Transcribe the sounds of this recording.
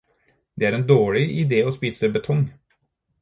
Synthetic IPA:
d̪eːæːɾeːnd̪oːɭɪʔɪd̪eːoːspiːsəbət̪ʰɔŋ

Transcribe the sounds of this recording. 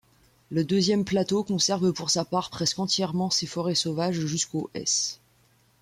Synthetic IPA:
ləd̪øzjɛmplat̪okɔ̃sɛʁvpuʁsapaʁpχɛskɑ̃t̪jɛʁmɑ̃sefɔʁɛsovaʒʒyskoʔɛ̰s

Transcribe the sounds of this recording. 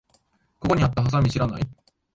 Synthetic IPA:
ko̞ko̞ɲ̟iat̪ːaɦas̬amʲiɕiɾana̰i

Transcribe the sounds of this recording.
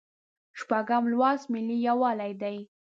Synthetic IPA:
ʃpaɡamlwɑsmɪlijawɑlajd̪aj

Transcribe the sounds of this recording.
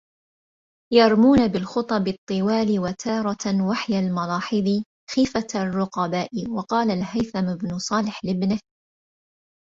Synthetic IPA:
jɑɾˤmuːnabɪlxʊt̪ˤɑbɨt̪ˤːɨwaːlɪwat̪ʰɑːɾˤɑwaħjalmɑlɑːħɨðˤi | xiːfarˤːʊqɑbaːʔɪwɑqɑːlalhajθamɪbnʊsˤɑːlɪħlɪbnɪh

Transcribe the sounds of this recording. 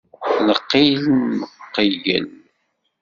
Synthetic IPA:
nəqːiləqːiʝə̰l

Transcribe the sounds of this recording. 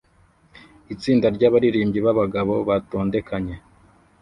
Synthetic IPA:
it͡siːndaɾɟaβaɾiɾiːmɟiβaβaɡaβo̞βato̞ːnde̞kʰaɲe̞

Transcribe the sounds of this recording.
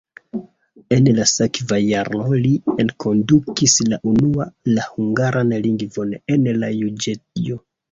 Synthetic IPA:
e̞nlasekvajaɾno̞lienkʰo̞ndukislaʔunualahuŋɡaɾʔanliŋɡvo̞nenlajud͡ʒet̚io

